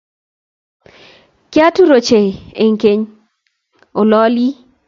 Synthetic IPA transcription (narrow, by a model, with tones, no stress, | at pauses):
kja˦tu˦ɾo˨t͡ʃe˨e˨ŋke˦ɲ | o˨lɔ˦li˦